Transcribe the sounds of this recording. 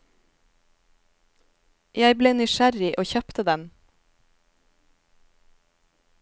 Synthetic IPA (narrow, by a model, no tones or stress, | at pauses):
jæɪbleːnʏʃæɾɪʔoːçœpt̪əd̪ɛm